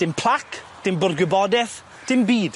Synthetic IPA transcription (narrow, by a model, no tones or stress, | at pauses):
d̥ɪmpʰl̥ˠakʰ | d̥ɪmbʊrɡwɪbɔdɛθ | d̥ɪmbiːd̥